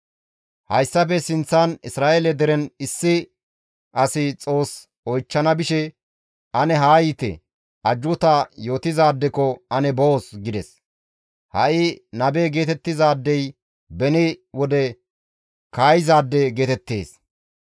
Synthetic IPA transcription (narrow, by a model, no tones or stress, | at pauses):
hɐjsːɐp̬ɛsɪnt͡sːanɪsɾaːʔeːlɛd̪ɛɾɛnɪsːɪ | ʔɐsɪt͡sʼo̞ːs | ɔjt͡ʃːɐnɐbɪʃɛ | ʔɐnɛɦaːjit̪ɛ̰ | ʔɐd͡ʒːʊt̪ajo̞ːt̪ɪzaːd̪ːɛkɔɐnɛboosɡɪd̪ɛs | hɐ̰ʔɪnɐbeːɡe̞ːt̪ɛt̪ːɪzaːd̪ːɛj | bɛnɪwɔd̪ɛ | kaːjɪzaːd̪ːɛɡeːt̪ɛt̪ːe̞̰ːs